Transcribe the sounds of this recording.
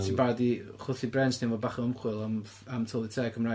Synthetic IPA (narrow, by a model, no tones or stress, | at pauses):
tʰiːnbadiχʊθibrɛntninvɔːdbaχəmχwɨlˠam | amtʰɔlˠitʰeːkʰəmraː